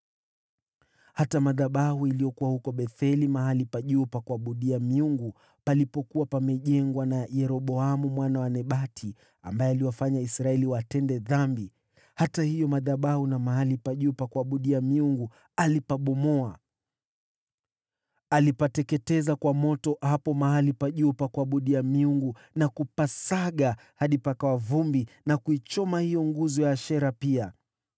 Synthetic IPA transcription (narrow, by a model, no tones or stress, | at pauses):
hatamaðaɓahuilijɔkuwahukɔɓɛθɛlimahalipaʄupakwaɓuɗiamiuŋɡu | palipɔkuwapamɛʄɛŋɡwanajɛɾɔɓɔamumwanawanɛɓatʰi | a̰mbaɛaliwafaɲaisɾaɛliwatɛndɛðambi | hatahijɔmaðaɓahunamaɦalipaʄupakwaɓuɗiamiuŋɡu | alipaɓɔmɔa | alipatɛkɛtɛzakwamɔtɔhapɔmahalipaʄupakwaɓuɗiamiuŋɡu | nakupasaɠa | haɗipakawavumbinakuit͡ʃɔmahijɔŋɡuzɔjaʃɛɾapia